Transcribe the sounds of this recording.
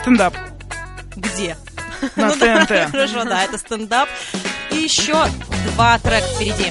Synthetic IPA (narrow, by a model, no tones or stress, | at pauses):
st̪ənd̪ap | ɡdʲe | nɐudt̪ɛɛnt̪ɛɾɐʐod̪aɛt̪əst̪ənd̪ap̚ijɪɕːod̪vat̪ɾɛkfpʲɪɾʲɪdʲi